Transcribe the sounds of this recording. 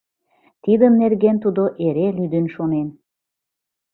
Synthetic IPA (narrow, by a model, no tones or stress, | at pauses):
t̪id̪əmnerɣent̪ud̪oʔeɾelid̪ynʃonen